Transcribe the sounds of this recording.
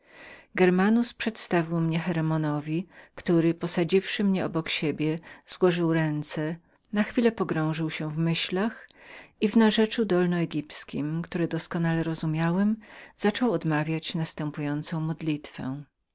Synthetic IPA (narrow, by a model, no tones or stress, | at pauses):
ɡɛɾmanuspʂɛt̪st̪avʲiwmɲɛxɛɾɛmɔnɔvʲikt̪uɾɘpɔsad͡ʑifʂɘmɲɛɔbɔkɕebʲjɛz̥wɔʐɘwɾɛnt̪sɛ | naxfʲilɛpɔɡɾɔ̃w̃ʐɘwɕɛvmɘɕlaxivnaʐɛt͡ʂud̪ɔlnɔɛɡʲipskʲimkt̪uɾɛd̪ɔskɔnalɛɾɔzumʲjawɛmz̥at͡ʂɔwɔd̪mavʲjat͡ɕnast̪ɛmpujɔnt̪sɔ̃w̃mɔd̪lʲit̪fɛ̰̃